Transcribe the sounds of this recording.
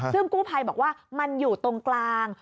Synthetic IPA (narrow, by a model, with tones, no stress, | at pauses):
sɨ˧əŋku˨˦˥pʰa˧˩jɓaː˨˩k̚waː˧˩ma˨˧˩ŋzu˨˩t̪o˨˧˩nklaː˧ŋ